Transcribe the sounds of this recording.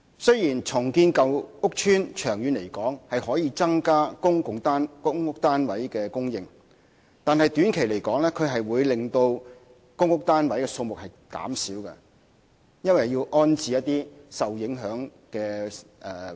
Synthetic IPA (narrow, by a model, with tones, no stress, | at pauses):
sɵ˥ɥjiː˨˩nt͡sʰʊ˨˩ŋkiː˧nkɐ˨wʊ˥k̚t͡ʃʰyː˥nt͡ʃʰœː˨˩ŋjyː˨˧nle˨˩jkɔː˨˥ŋhɐ˨jhɔː˨˥jiː˧t͡sɐ˥ŋkaː˥kʊ˥ŋkʊ˨ŋt̪ːnkʊ˥ŋʊ˥k̚t̪aː˥nwɐ˨˥jkɛː˧kʊ˥ŋjɪ˨ŋ | t̪aː˨nɦɐ˨jt̪yː˨˥nkʰe˨˩jle˨˩jkɔː˨˥ŋlɛː˥kʰɵ˨˧ɥɦɐ˨jwuː˨˧jlɪ˨˩ŋt̪o˧w | kʊ˥ŋʊ˥k̚t̪aː˥nwɐ˨˥jkɛː˧so˧wmʊ˨k̚hɐ˨˩jka̰ː˨˥msiː˨˥wkɛ̰˧ | jɐ˥nwɐ˨jːiː˧wʔɔː˥nt͡siː˨jɐ˥t̪̚ːiː˥sɐ˨wjɪ˨˥ŋɦœː˨˥ŋ | kɛː˧ʔɛː˨˩